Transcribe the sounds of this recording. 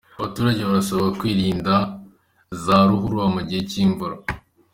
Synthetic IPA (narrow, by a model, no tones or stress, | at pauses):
aβatuːɾaɟe̞βaɾasoβoɡakwiːɾiːnda | zaɾuɦuɾuamuɟiheciːɱvuɾa